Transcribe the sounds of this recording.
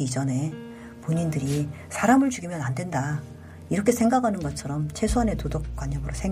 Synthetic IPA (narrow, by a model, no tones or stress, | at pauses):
id͡ʑʌne̞ | poɲindɯɾi | sʰaɾamɯɭt͡ɕuɡimjʌnandwe̞nda | iɾʌkʰe̞sʰe̞ŋɡakɦanɯnɡʌt͡ɕʰʌɾʌmt͡ɕʰe̞sʰwʌne̞todok̚k͈waɲːʌmɯɾosʰeŋ